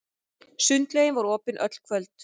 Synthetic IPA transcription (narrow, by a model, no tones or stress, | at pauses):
sʏnt̪lejɪnvaɾɔːpɪnʔœ̰t̪l̥kʰvœlt̪